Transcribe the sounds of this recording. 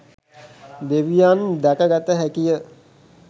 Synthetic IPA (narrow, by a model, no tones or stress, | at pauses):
d̪eʋijand̪ækəɡat̪əɦækijə